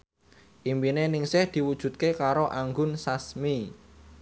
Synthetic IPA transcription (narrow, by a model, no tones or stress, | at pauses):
ʔimbinenɪŋsɪhd̪̥i̤wud̥ʒ̥ṳt̪̚kekaɾoʔaŋɡʊnsasmi